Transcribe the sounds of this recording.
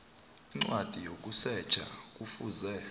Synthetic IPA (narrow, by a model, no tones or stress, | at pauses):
iŋ͡ǀwad̥ʱijokʼusɛ̥t͡ʃʰʼa̰k̬ʼufuzɛ